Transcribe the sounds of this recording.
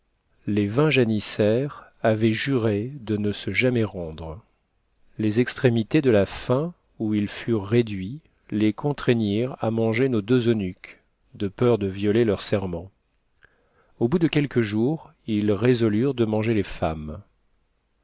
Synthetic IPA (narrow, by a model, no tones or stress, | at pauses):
levɛ̃ʒanisɛʁavɛʒyʁed̪ənəsəʒamɛʁɑ̃d̪ʁə | lezɛkst̪χemit̪ed̪əlafɛ̃ | uilfyʁːed̪ɥi | lekʰɔ̃t̪χeniʁa̰mɑ̃ʒenod̪øzønyk | d̪əpœʁd̪əvjɔlelœʁsɛʁmɑ̃ | obud̪əkʲɛlkəʒuʁ | ilʁezɔlyʁd̪əmɑ̃ʒelefam